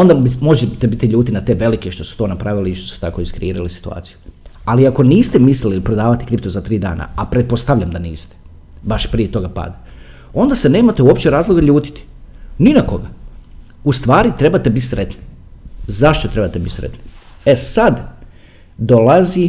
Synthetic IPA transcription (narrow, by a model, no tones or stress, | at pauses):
ond̪abimo̞ʒet̪ebit̪iʎuːt̪inat̪e̞ːʋe̞likeʃt̪o̞su̥t̪o̞ːnapɾaʋiliiʃt̪oso̥t̪ako̞iskɾiiːɾalisi̥t̪ua̰ːt̪sijualiako̞niːst̪emislililpɾo̞d̪aːʋat̪i̥kɾipt̪ozat̪ɾiːd̪a̰ːnʔa̰apɾet̪̚post̪aʋʎʲamd̪aniːst̪e̥ | baʃpɾijet̪o̞ɡapa̰ːd̪a | o̞nd̪ase̞ne̞ːmat̪euopt͡ɕeɾaːzlˠoɡaʎuːt̪i̥t̪i̥ninako̞ɡa | ust̪ʋaːɾit̪ɾe̞bat̪ebit̪sɾet̪ni̥zaʃt̪o̞t̪ɾe̞bat̪ebit̪sɾḛt̪niesad̪ | d̪olazi